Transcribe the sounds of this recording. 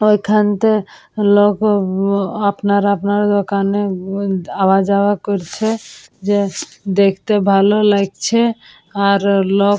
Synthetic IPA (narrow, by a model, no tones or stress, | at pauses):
ojkʰant̪e | lok | apnaɾapnaɾd̪okane | awad͡ʒawakoɾt͡ʃʰed͡ʒed̪ekʰt̪ebʱalolaɡt͡ɕʰe | aɾlo